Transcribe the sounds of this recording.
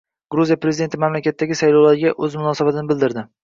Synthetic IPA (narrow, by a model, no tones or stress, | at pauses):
ɡ̥ɾuzijapɾezid̪e̞nt̪ʰɪmamlakʲat̪ʰːaɡʲɪsajlawlaɾɪɡʲaʔɵzmʊnɒːsabat̪ʰɪnɪbɪld̪ɪɾd̪ɪ